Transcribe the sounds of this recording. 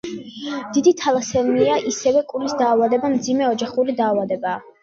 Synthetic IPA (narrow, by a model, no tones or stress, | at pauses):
d̪̥id̪it̪ʰalˠasɛniaʔisɛvɛkʼulisd̪aːvad̪ɛbamd̪zimɛɔd͡ʒaχuɾid̪aːvad̪ɛbaː